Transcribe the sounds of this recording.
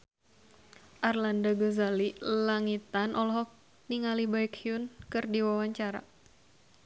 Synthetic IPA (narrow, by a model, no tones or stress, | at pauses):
ʔarlandaɡozalilaŋit̪anʔɔlɔɦɔk̚ | niŋalibaikhiʊnkɨrdiwawaɲt͡ʃaɾa̰